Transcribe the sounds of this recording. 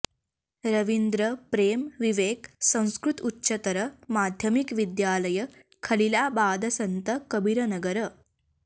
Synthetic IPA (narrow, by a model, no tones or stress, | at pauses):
ɾɐʋind̪ɾəpɾeːmʋiʋeːksɐ̃w̃skɾut̪utːɕɐt̪ɐɾəmaːd̪ʱjɐmikʋid̪jaːlɐjɐ | kʰɐlilaːbaːd̪ɐsɐnt̪əkɐbiɾɐnɐɡɐɾə